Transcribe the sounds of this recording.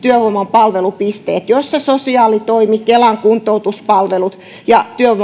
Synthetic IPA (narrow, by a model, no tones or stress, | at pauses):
t̪yøhomɑmpɑlʋelupist̪eːt̪josːɑsosiɑːlit̪oimikelɑŋkunt̪out̪uspɑlʋelut̪ | jɑt̪yøo